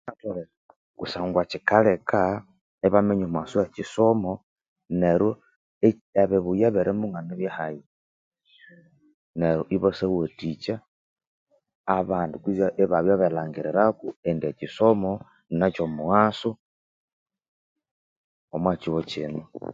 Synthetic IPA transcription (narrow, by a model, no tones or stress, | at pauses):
natole | kusaːŋɡwat͡ʃikaleka | eβameɲomwasuat͡ʃisomo | neɾo | e | eβeβujaβeɾʔemuŋɡaneβjahaji | neɾoʔiβosewotit͡ʃa | aβaːndukizaʔeβaβjaβelaːŋɡiɾeɾakuendiet͡ʃisomo | nnat͡ʃomuɣaːsu | omwat͡ʃiwot͡ʃḭno